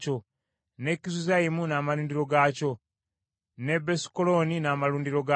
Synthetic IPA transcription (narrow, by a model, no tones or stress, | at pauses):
co̞ | ne̞kizuzajimunaːmaluːndiɾo̞ɡaːco̞ | ne̞besi̥kolo̞ninaːmaluːndiɾo̞ɡa